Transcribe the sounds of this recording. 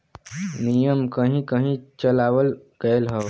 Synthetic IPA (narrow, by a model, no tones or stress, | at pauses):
nijəmkəɦĩkəɦĩt͡ʃəlaːwəl | ɡ̥əelɦə